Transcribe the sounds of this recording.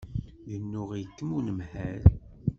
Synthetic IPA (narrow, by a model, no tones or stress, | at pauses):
ðənːʊʁjəkːəmunəmħæɾ